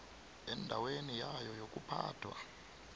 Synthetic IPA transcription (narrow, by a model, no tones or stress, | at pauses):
ɛndʱawenijajɔjokʼupʰa̰ːtʰwa̰